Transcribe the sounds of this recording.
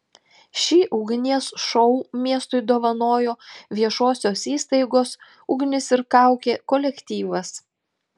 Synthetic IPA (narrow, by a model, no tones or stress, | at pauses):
ʃʲiːʔʊɡʲnʲiɛsʃɔʊmʲiɛst̪ʊɪd̪oːʋɐnoːjoːʋʲiɛʃoːsʲoːsiːst̪ɐɪɡoːs | ʊɡʲnʲɪsɪɾkɑˑʊkʲeːkɔlʲɛkʲt̪ʲiːʋɐs